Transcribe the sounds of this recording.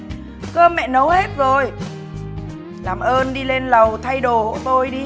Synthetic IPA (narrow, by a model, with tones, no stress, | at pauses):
kəː˧mːɛ̰˧˨nə˨˦whe˦˥t̚zo˨˩j | laː˨˩mʔəː˧nɗi˧le˧nlə˨˩wt̪ʰa˧jɗo˨˩ho̰˧˨jt̪o˧jɗi˧